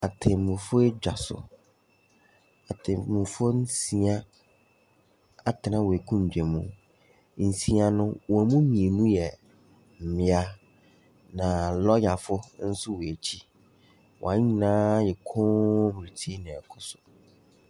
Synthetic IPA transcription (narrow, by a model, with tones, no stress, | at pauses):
a˨tʰɪ̃˨mũ˨fʊ˦e˦d͡ʑᶣa˨sʊ̰˨ | a˨tʰɪ̃˨mũ˨fʊ˦n̩˦sĩ˦a˦ | a˨tʰɪ˨nã˦wɔ˨e˨kʰũ˦m˨d͡ʑᶣɛ˨mũ˦˨ | n̩˨sĩ˦a˦nʊ̃˦wɔ˨mũ˦mĩ˨e˨nũ˦jɛ˨ | m̩˨mɪ̃˨a˦ | nã˨lɔ˦ja˨fʊ˦n̩˦sʊ˦wɔ˨e˨t͡ɕʰi˦ | wɔ̰˨ã˨˦ɲi˦nãː˦jɛ˨kʰʊ̃˦m˨ɾi˨tʰi˦nɪ̃˨ɛ˨kʰʊ˦sʊ˨